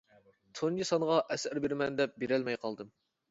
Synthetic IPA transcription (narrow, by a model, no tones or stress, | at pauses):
t̪ʰund͡ʒisɑnʁɑʔɛsæɾbeɾmɛnd̪ɛp̚beɾɛlmɛjqʰɑlˠd̪ɨm